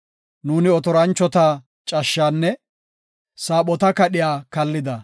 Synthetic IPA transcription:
nuːnɪɔt̪ɔɾɐnt͡ʃːɔt̪aː | t͡ʃʼɐʃːaːnːɛ | saːɓɔt̪ɐkɐɗɪjaːkɐlːɪd̪ɐ

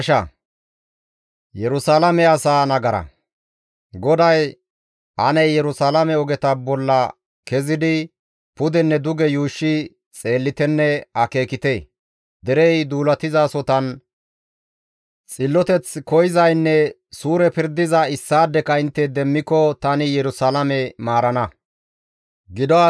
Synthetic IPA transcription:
ʃɐ | jɛɾʊsaːlɐmɛɐsaːnɐɡɐɾɐ̰ | ɡɔd̪ɐj | ʔɐ̰nɛjjɛɾʊsaːlɐmɛɔɡɛt̪ɐbɔlːɐ | kɛzɪd̪ɪ | pʊd̪ɛnːɛd̪ʊɡɛjuːʃːɪ | t͡sʼe̞ːlːɪt̪ɛnːɛɐke̞ːkɪt̪eː | d̪ɛɾɛjd̪uːlɐt̪ɪzaːsɔt̪ɐn | t͡sʼɪlːɔt̪ɛt͡skɔjɪzɐjnːɛ | suːɾɛpɪɾd̪ɪzɐɪsːaːd̪ːɛkɐɪnt̪ːɛd̪ɛmːɪkːɔt̪ɐnɪjɛɾʊsaːlɐmɛmaːɾɐnɐ | ɡɪd̪ɔa

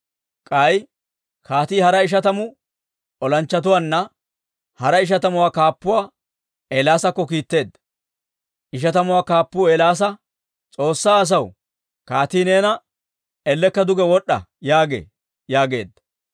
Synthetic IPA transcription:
kʼɐj | kʰaːt̪iːhɐɾɐɪʃ̬ɐt̪ɐmʊ | ɔlɐnt͡ʃːɐt̪̬ʊwaːnːɐ | hɐɾɐɪʃ̬ɐt̪̬ɐmʊwaːkaːpːʊwaː | eːlaːsɐkːɔkiːt̪ːe̞ːd̪ːɐ̥ | ɪʃ̬ɐt̪ɐmʊwaːkaːpːʊeːlaːs̬ɐ | t͡sʼo̞ːsːaːs̬ɐw | kaːt̪iːneːnɐ | ɛlːɛkːɐd̪ʊɡɛwɔɗːɐ̰jaːɡḛː | jaːɡe̞ːd̪ːɐ̥

